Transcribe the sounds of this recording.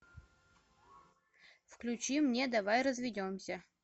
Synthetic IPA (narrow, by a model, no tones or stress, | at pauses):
fklʲʉt͡ɕimnʲed̪avajrəzvʲɪdʲomsʲə